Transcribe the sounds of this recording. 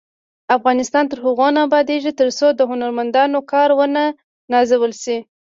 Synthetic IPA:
afɣɑnɪst̪ɑnt̪əɾɦʊɣonabɑd̪eʒit̪əɾsod̪əɦʊnaɾmand̪ɑnokɑɾwəna | nɑzawəlsi

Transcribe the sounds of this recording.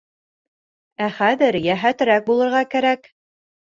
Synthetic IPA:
æχæðɘɾjæɦæt̪ɾæk̚bulˠɤ̆ɾʁɑkæɾæk

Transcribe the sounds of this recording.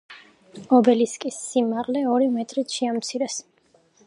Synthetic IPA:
ɔbɛliskʼisːimaʁlɛɔɾimɛt̪ʼɾit̪ʃiamt̪sʰiɾɛs

